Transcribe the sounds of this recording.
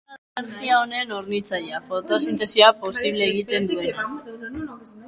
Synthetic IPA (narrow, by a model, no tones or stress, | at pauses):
aɾɣiao̞ne̞noɾnit͡sajafo̞t̪o̞sint̪e̞siapo̞siβ̞le̞ːɣ̞it̪e̞nd̪ue̞na